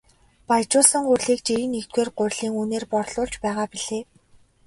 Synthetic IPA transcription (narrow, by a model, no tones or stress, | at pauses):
pajt͡ɕʊːsə̆ŋɢʊrʲɮiːkt͡ɕiɾiːnext̪̚weːrɢʊ̟rʲɮiːŋuneːrpɔrɮʊːɮt͡ɕpæːʁaːpiɮeː